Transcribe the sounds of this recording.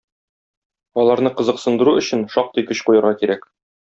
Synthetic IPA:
ɒlˠɑɾnɤqɤ̆zɤ̆qsɤ̆nd̪ɤ̆ɾuɵ̆ɕɘnʃɒq̚t̪ɤjkɵɕqujɤ̆ɾʁɑkiɾæk

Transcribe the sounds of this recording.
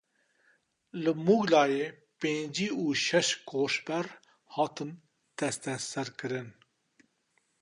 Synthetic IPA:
lɨmuɡlɑːjeː | peːnd͡ʒiːuːʃɛʃkʰoːʃbɛɾ | hɑːt̪ɨn | t̪ɛst̪ɛsɛɾkɨɾɨn

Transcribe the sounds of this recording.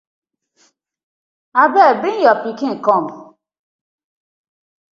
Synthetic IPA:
abɛbɪn̩jɔpikiŋ̩kɔm

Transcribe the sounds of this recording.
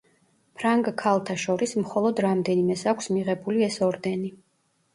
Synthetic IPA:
pʰɾaŋɡkʰalˠt̪ʰaʃɔɾismχɔlˠɔd̪ɾamd̪ɛnimɛsakʷʰsmiʁɛbuliɛsɔɾd̪ɛni

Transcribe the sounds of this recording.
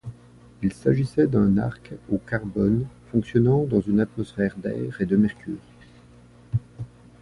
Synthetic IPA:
ilsaʒisɛd̪ɛ̃na̰ʁkokaʁbɔnfɔ̃ksjɔnɑ̃d̪ɑ̃zynat̪mɔsfɛʁd̪ɛ̰ːʁed̪əmɛʁkʲyʁi

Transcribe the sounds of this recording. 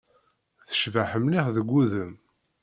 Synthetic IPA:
θə̥ʃvaħəmliʁðəɡʷːuðəm

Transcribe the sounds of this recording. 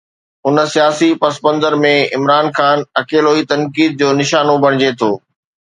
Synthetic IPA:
ʊnsijaːsipɐspə̃nzəɾmẽɪmɾaːnxaːnɐkeːloːit̪ɐ̃nkiːd̪̚d͡ʑoːnɪʃaːnobʱɐɽ̃ɪd͡ʑet̪ʰoː

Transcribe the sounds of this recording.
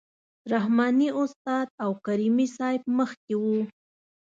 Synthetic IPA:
ɾahmɑniʊst̪ɑd̪̚awkaɾimisɑjb̚məxkewu

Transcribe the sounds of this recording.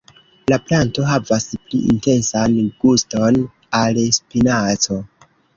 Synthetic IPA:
laplanto̞ɦavaspliʔḭnte̞nsanɡ̥usto̞n | alspinat͡so̞

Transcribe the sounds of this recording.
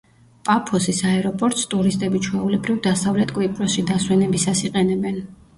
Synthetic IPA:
pʼapʰɔsisaɛɾɔpʼɔɾt̪ʼst̪ʼuɾist̪ʼɛbit͡ʃʰwɛulɛbɾivd̪asavlɛt̪ʼkʼwipʼɾɔsʃid̪aswɛnɛbisasiqʼɛnɛbɛn

